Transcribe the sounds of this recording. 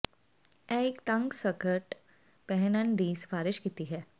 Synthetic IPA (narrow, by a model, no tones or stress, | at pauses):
ɛɪkt̪ɐ̃ŋɡsəkəʈ | pɛɦnənd̪iːsfaːɾɪʃkit̪iɦɛː